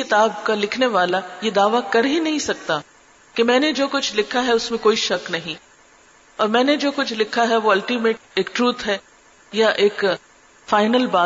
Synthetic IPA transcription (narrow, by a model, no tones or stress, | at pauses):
ɪt̪aːb̚kalɪkʰneʋaːlajed̪aːʋakɐɾɦĩnɐɦĩsɐk̚t̪a | kemɛ̃ːned͡ʒoːkʊt͡ʃʰlɪkʰaɦɛʊsmẽkoːiʃɐknɐɦĩ | ɔːɾmɛ̃ːned͡ʒoːkʊt͡ʃʰlɪkʰːaɦɛʋoɐlʈimeːʈ̚eːk̚ʈɾuːt̪ʰɦɛː | jaʔeːk | faːɪnəlbaː